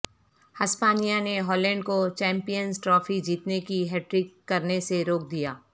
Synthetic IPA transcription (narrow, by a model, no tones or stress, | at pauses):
hɐspaːnijaneɦɔːlɛ̃ːɳɖkot͡ʃɛ̃ːmpijənzʈɾɔːfid͡ʒiːt̪nekiɦɛːʈɾɪkːɐɾneseɾoːk̚d̪ijaː